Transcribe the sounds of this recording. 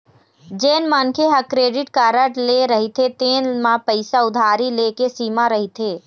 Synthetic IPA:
d͡ʒeːnmənkʰeɦɐkɾeːɖɪʈkaːɾəʈleɾɐɦit̪ʰet̪eːnmãpəɪsaʊd̪ʱaːɾileːkesiːmaɾɐɦit̪ʰeː

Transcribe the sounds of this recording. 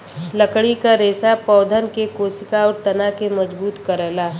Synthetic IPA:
ləkɽikaɾeːsapɔːd̪ʱənkekoːsɪkaɔːɾt̪ɐnakemɐd͡ʒbuːt̪kɐɾɛːlaː

